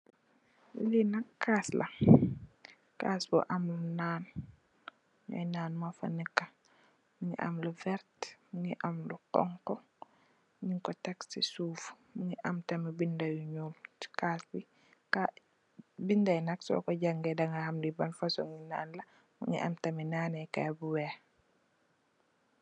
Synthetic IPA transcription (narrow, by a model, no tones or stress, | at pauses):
linɐkːaːslɐ̰ | ka̰ːsbɔ̰ʔɐmlunaːn | ɲɔ̰jnaːnmafa̰nəkːa | muŋḭʔa̰mluvɛɾtmuŋiʔamlukɔ̰ŋkɔ | ɲiŋkɔtaksisuːf | muŋiʔɐmtɐmibindajuɲuːl̥kaːsbi | ka | bindajnaksɔ̰ːkoɟaŋɡɛdaŋɡahamlibanfasoŋina̰ːnla | mṵŋḭʔa̰mtɐminaːnɛka̰buwɛː